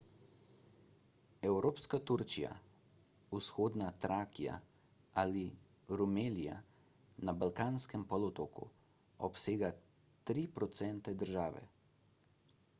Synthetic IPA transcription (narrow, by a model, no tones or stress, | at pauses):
ɛwɾoːpskat̪uɾt͡ʃija̰ | usxoːd̪nat̪ɾaːkija̰ | ali | ɾumeːlija̰ | nabalkaːnskɛmpɔlɔt̪oːkṵ | ɔpseːɡa | t̪ɾipɾɔt̪sɛnt̪ɛd̪əɾʒaːʋɛ̰